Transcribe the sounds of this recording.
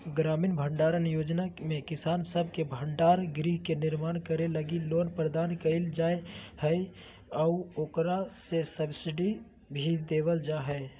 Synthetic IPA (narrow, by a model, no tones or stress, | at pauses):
ɡɾaːmiːnbʱəɳɖaːɾənjoːd͡ʒnamẽkɪsaːnsəb̚ʱkebʱə̃ɳɖaːɾɡɾiɦkenɪɾmaːnkəɾeləɡiloːnpɾəd̪aːnkəɪld͡ʒaːehə | ɔʊoːkɾasesəbsɪɖi | bʱid̪eːwəld͡ʒaːɦɛ